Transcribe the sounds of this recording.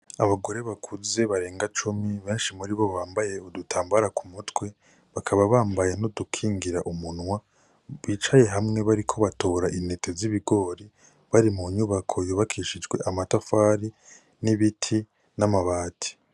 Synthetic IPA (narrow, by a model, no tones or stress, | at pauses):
aβaɡo̞ɾe̞βakʰuze̞βaɾe̞ːŋɡat͡ʃumiβe̞ːnʃimuɾiβo̞βaːmbaje̞odutʰaːmbaɾakʰumutwe̞ | βakʰaβaβaːmbaje̞nodukʰiːŋɡiɾa̰ʔumunwa | βiːt͡ʃaje̞ɦamŋe̞βaɾikʰo̞βato̞ɾaʔine̞tʰeziβiɡo̞ːɾi | βaɾimuɲuβakʰo̞joβakʰiʃid͡ʒɡwe̞ʔamatafaːɾi | niβitʰi | namaβaːtʰi̥